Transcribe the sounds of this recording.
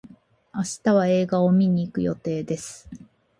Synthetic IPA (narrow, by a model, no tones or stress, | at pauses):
aɕi̥t̪aβ̞ae̞ːɡao̞mʲiɲ̟iːkɯ̟jo̞̰t̪e̞ːd̪e̞sɨ̥